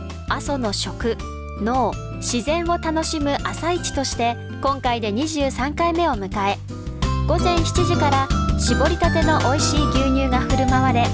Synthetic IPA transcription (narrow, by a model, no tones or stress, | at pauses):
aso̞no̞ɕo̞kɯ̟ | no̞ː | ɕizẽ̞ɰ̃o̞t̪ano̞ɕimɯ̟ʔasait͡ɕi̥t̪o̞ɕi̥t̪e̞ | kõ̞ŋkaid̪e̞ɲ̟iʑɨːsãŋkaime̞o̞mɯ̟kae̞ | ɡ̥o̞zẽ̞ɰ̃çi̥t͡ɕiʑikaɾaɕibo̞ɾʲikat̪e̞no̞ʔoiɕiːɡʲɨːɲ̟ɨːɡaɸɯ̟ɾɯ̟maβaɾe̞